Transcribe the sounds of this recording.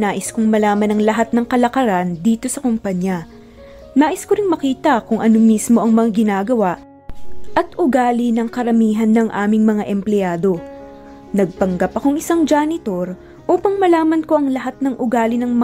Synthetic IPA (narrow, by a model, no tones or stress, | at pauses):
aːʔɪskʊŋmɐlaːmɐnɐŋlɐɦat̪̚nɐŋkɐlɐkɐɾand̪iːt̪o̞sɐkʊmpaɲjɐ | naːʔɪskoɾɪŋmɐkiːt̪ɐkʊŋʔɐno̞mismo̞ʔɐŋmɐŋaɡɪnaːɡɐwaʔ | ʔɐt̪ʔʊɡaːlɪnɐŋkɐɾɐmiːɦɐnːɐŋʔa̰ːmɪŋmɐŋaʔɛmplɛaːd̪o̞ | nɐɡ̚pɐŋɡapɐko̞ŋʔɪsaŋd͡ʒaːnɪt̪o̞ɾ | ʔuːpɐŋmɐlaːmɐnko̞ʔɐŋlɐɦat̪̚nɐŋʔʊɡaːlɪnɐŋmɐ